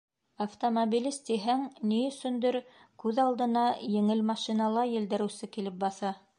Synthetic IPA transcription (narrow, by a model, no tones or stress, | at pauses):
ɐft̪omobilʲist̪iɦæŋniɵ̆sɵ̆nd̪ɘɾ | kʉðɑlˠd̪ɤ̆nɑjɘ̆ŋɘlmɑʃinɑlˠɑjɘ̆ld̪ɘ̆ɾɘ̆wsɘkilɘp̚bɑθɑ